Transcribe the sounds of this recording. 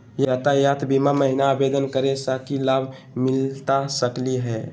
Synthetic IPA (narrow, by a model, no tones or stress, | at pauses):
jaːt̪ajaːt̪bʱimaməɦɪnaːbed̪ənkəɾesakilaːbʱ | mɪlt̪asəkliɦɛː